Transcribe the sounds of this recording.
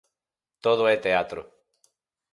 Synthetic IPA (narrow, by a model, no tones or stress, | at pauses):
t̪oðoet̪eat̪ɾo̰